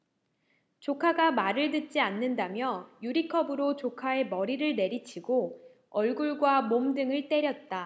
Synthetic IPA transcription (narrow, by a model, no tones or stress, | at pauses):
t͡ɕokʰaɡamaɾɯɭdɯt̚t͡ɕ͈ianːɯndamjʌjuɾikʰʌbɯɾot͡ɕokʰae̞mʌɾiɾɯɭne̞ɾit͡ɕʰiɡo | ʌɭɡuɭɡwamomdɯŋɯɭt͈e̞ɾjʌt̚t͈a